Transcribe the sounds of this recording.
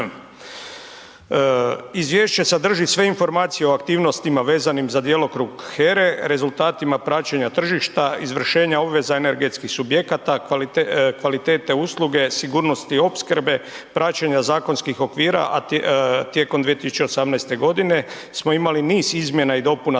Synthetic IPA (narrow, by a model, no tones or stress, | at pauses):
izʋje̞ːʃt͡ɕe̞sad̪r̩ʒisʋe̞info̞ɾmaːt̪sijeo̞akt̪iːʋno̞st̪imaʋe̞ːzanimzad̪jelo̞kɾuɡxeɾe̞ɾe̞zult̪aːt̪imapɾat͡ɕeɲat̪r̩ʒiʃt̪aizʋr̩ʃe̞ːɲao̞bʋe̞zaene̞ɾɡe̞t̪skixsubjekat̪a | kʋalit̪e̞ːt̪e̞uslˠuɡe̞siɡuːɾno̞st̪io̞pskrbe̞pɾat͡ɕeɲazaːko̞nskixo̞kʋiːɾa̰ʔat̪je̞komd̪ʋijet̪isu̥t͡ɕe̞osamnɛjst̪e̞ɡo̞d̪ine̞ | smo̞imaliniːzizmje̞naid̪o̞puna